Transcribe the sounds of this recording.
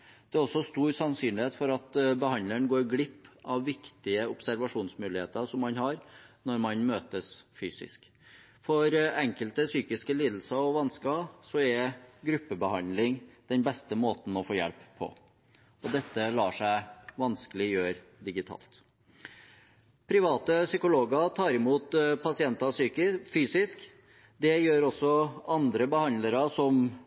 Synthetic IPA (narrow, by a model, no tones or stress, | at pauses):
d̪̥ɛæɾɔsːɔst̪uːɾsɑnsyːnlɪheːt̪fɔɾɑt̪bəhɑndləɳɡoːɾɡlɪpːʔɑʋːɪkt̪ɪəʊpsæɾʋɑʂuːnsmʉːlɪheːt̪əʂɔmːɑnhɑɾnɔɾmɑnmøːt̪əsfyːsɪ̰sk | fɔɾɛŋkəlt̪əsyːkɪskəliːd̪l̩səɔʋɑnskɑsɔɛɡɾʉpːəbəhɑnlɪŋd̪̥ɛnbɛst̪əmoːt̪n̩ɔfoːjɛ̰lpʰːɔ̰ | ɔd̪ɛt̪ːəlɑːʂæɪʋɑnskəlɪjøːɾ | d̪ɪɡɪt̪ʰɑ̰ːlt̪ | pʰɾɪʋɑːt̪əsʏkʊloːɡɑt̪ʰɑːɾɪmuːt̪pʰɑsɪɛnt̪ɑsyːfyːsɪsk | d̪ɛjøːɾɔsːɔɑnd̪ɾəbəhɑnd̪ləɾɑsɔm